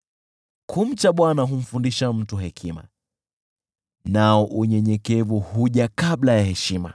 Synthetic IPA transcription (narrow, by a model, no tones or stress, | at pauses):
kʰum̩t͡ʃaɓwanaɦum̩fundiʃam̩tuɦɛkʰima̰ | naɔʔuɲɛɲɛkɛvuhuʄakaɓlajahɛʃima̰